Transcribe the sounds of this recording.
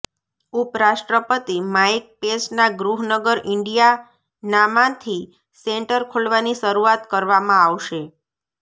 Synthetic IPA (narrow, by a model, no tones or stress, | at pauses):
upɾaʃʈɾəpət̪imaik̚pesnaɡɾuɦnəɡəɾɪɳɖija | namãt̪ʰi | seɳʈəɾkʰoɭʋaniʃəɾuat̪kəɾʋamãaʋʃe